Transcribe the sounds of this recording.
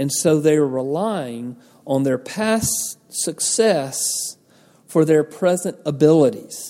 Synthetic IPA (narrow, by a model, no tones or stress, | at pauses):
ɨ̃nsoʊðeɪə˞ɹɪlaɪɪ̃ŋ | ə̃nðə˞pʰæs | sɨksɛs | fə˞ðə˞pʰɹ̥ɛzɨ̃ntəbɪlˠəɾiz̥